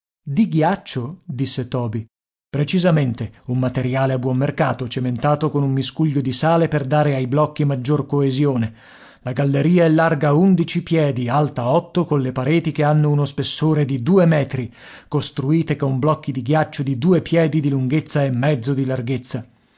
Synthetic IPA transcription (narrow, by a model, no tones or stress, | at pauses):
d̪iɡjat͡ʃːod̪isːet̪ɔːbi | pɾet͡ʃizament̪eumːat̪eɾjaːleabːwɔmːerkaːt̪ot͡ʃement̪aːt̪okonumːiskuʎːod̪isaːleperd̪aːɾeajblɔkːimad͡ʒːorkoezjoːne | laɡalːeɾiːaɛlːarɡaund̪it͡ʃipjɛːd̪ialt̪aɔt̪ːokonlepaɾeːt̪ikeanːounospesːoːɾed̪id̪uːemɛːt̪ɾi | kost̪ɾuiːt̪ekoumblɔkːid̪iɡjat͡ʃːod̪id̪uːepjɛːd̪id̪iluŋɡet̪sːaemːɛd̪zːod̪ilarɡet̪sːa